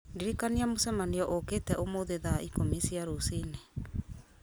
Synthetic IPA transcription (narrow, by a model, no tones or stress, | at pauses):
diɾikaniamosɛmaniɔʔokeːtɛʔomoðeðaʔikomesiaɾosine